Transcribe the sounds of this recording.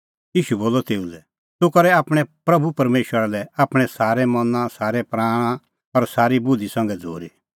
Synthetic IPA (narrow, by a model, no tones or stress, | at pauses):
jiːʃuboːlɔt̪eːulɛ | t̪okɐɾɛaːpɽ̃ɛpɾɐbʱupɐɾmeːʃwəɾalɛaːpɽ̃ɛsaːɾɛmɐnãsaːɾɛpɾaːɽ̃ã | ɔɾsaːɾibʊd̪ʱisɐ̃ŋɡɛd͡zʱo̰ːɾi